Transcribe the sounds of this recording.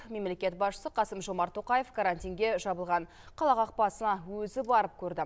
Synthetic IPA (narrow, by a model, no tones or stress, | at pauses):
me̞mle̞kʲe̞t̪̚bɑsʃə̥səqʰɑsəmʒo̞mɑɾt̪ʰo̞qɑjefkʰaɾanʲt̪ʲijŋɡʲe̞ʒɑbəlˠʁɑɴ | qʰɑlˠɑqɑq̚pɑsənɑwɵzɪbɑɾəp̚kʲʰɵɾd̪ɪ